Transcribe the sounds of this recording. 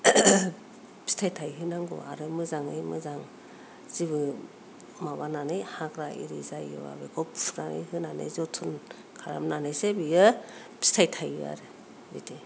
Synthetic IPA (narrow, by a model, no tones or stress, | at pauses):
bʰi̥stʰajtʰajɦɯnaŋɡṵa̰ɾɯmɯzaŋɯjmɯzaŋ | z̥iβɯ | mawananɯjhakɾaḭɾizajɯ̰wa̰bɯɡʰɔpnanɯ̰jhɯnanḛzɔtʰɯn | kʰaɾa̰mnanesebijɯ | bi̥stʰajtʰajɯa̰ɾɯ | bḭtʰe